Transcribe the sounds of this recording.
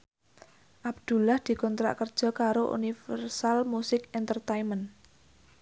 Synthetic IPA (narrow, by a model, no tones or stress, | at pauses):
ʔab̚d̪̥ṳlahd̪̥i̤kɔnt̪ɾa̰ʔkərd̥ʒ̥ɔ̤kaɾoʔṵnifɛrsalmusɪkɛnt̪ərt̪ajmən